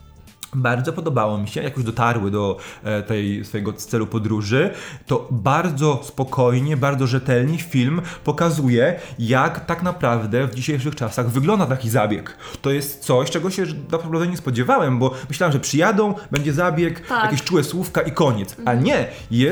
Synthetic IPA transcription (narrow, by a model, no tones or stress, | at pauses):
baɾd̪zɔpɔd̪ɔbawɔmʲiɕɛjakɔʑd̪ɔt̪aɾwɘd̪ɔt̪ɛjsfɔjɛɡɔst̪sɛlupɔd̪ɾuʐɘt̪ɔbaɾd̪zɔspɔkʰɔjɲɛbaɾd̪zɔʐɛt̪ɛlɲifʲilmpɔkazujɛjakt̪aknapɾavd̪ɛvd͡ʑiɕejʂ̬ɘxt͡ʂasaɣvɘɡlɔnd̪at̪akʲizabʲjɛk | t̪ɔjɛst̪t̪sɔɕt͡ʂɛɡɔɕɛd̪apɾɔpɾavd̪ɛɲɛspɔd͡ʑɛvawɛmbɔmɘɕlawamʐɛpʂɘjad̪ɔ̃w̃bɛɲd͡ʑɛzabʲjɛk̪jakʲeɕt͡ʂuwɛswufkaʔikɔɲɛt̪saɲɛ | jɛ